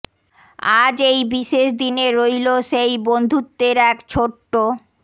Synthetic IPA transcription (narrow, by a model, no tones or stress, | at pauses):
ad͡ʑejbiʃeʃd̪ineɾojloʃejbond̪ʱut̪ːeɾɛkt͡ɕʰoʈːo